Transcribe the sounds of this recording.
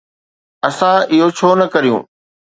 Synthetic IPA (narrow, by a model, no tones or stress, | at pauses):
ɐsãɪɦot͡ɕʰoːnɐkɐɾijṵ̃ː